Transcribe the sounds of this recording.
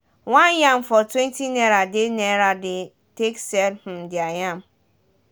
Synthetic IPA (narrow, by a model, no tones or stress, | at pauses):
wanjamfɔtwẽntineɾadɪneɾadɪ | teksɛlm̩dɪajam̩